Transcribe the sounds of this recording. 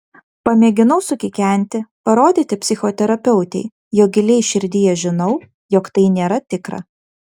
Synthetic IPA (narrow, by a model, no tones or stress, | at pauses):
pɐmʲeːɡʲɪnɒʊsʊkʲɪkʲæˑnʲt̪ʲɪpɐɾoːd̪ʲiːt̪ʲɪpʲsʲɪxot̪ʲɛɾɐpʲɛʊt̪ʲɛɪ | joːɡʲɪlʲɛɪʃʲɪɾʲd̪ʲɪjɛʒʲɪnɐʊ | jɔkt̪ɐɪnʲeːɾɐt̪ʲɪkɾɐ̰